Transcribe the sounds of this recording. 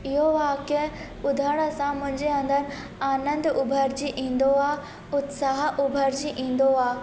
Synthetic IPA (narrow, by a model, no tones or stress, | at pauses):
ɪɦoʋaːke | ʊd̪ʱaɽ̃əsãmʊ̃ɦɪ̃ɲd͡ʑeɐ̃nd̪əɾ | aːnə̃nd̪ʊbʱəɾd͡ʑiʔĩːnd̪oaː | ʊt̪saɦʔʊbʱəɾd͡ʑiʔĩːnd̪oaː